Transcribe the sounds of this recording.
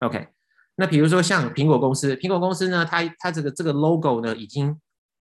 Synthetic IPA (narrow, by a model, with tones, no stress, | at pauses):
o˧˥kʰḛ˥ɪ | na˥˩pi˨˩ɻu˧˥ʂ̬wɔ˥ɕjɑ˥˨ŋpʰi˧˥ŋkɔ˨˩kʊ˥ŋsɹ̩˥pʰi˧˥ŋkwɔ˨˩kʊ˥ŋs̩˥nə˧t̪ʰa˥t̪ʰa˥ʈ͡ʂɤ˥˩ɡə˩ʈ͡ʂɤ˥˩ɡə˩lo˦ʊko˨˩ʊnə˨i˨˩t͡ɕi˦ŋ